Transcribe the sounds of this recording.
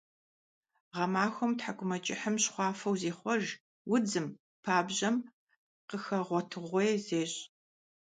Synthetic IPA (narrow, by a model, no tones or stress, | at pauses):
ʁɐmaːxʷɔmtħaɡʷʰʼʊmɐt͡ʃʼɪħəmɕχʷɑːfɐwzeːχʷɔʒ | wʊd͡zɨm | pʰaːbʑɐm | qəxɐʁʷɔtʰɨʁʷejzeːɕʼ